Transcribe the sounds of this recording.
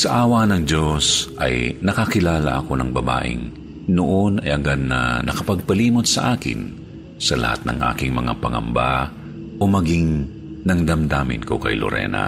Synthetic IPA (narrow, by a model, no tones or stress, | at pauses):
sɐʔaːwanɐŋd͡ʒosʔɐjnɐkakɪlaːlɐ̰ʔɐko̞nɐŋbɐba̰ːʔɪ̰ŋ | noʔonɐjɐɡad̪̚nɐnɐkɐpɐɡ̚pɐliːmot̪̚sɐʔaːkɪ̰n | sɐlɐ̰ha̰t̪̚nɐ̰ŋʔa̰ːkɪŋmɐŋa̰pɐŋɐ̰mba | ʔomɐɡiŋ | nɐŋd̪ɐmd̪aːmɪ̰nkokɐjlo̰ɾɛ̰ːna̰